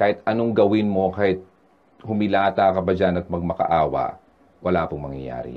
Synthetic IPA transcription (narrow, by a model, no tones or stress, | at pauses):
kaːhɪt̪ʔɐnoŋɡɐwɪnmo̞kahɪt̪̚ | hʊmɪlaːt̪akɐbɐjanɐt̪̚mɐɡ̚mɐkɐ̰ʔaːwɐ̰ʔ | wʔɐlaːpʊŋmɐŋjɐ̰ja̰ːɾɪ̰